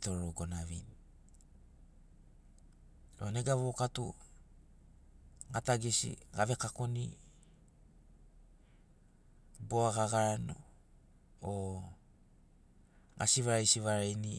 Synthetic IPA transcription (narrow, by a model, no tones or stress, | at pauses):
to̞ɾoɡo̞naβḭni | oneɡaβokatu | ŋataɡisḭɡaβe̞kako̞ni | boaɡaɡaɾano̰ | o | ɡa̰siβaɾajsiβaɾajni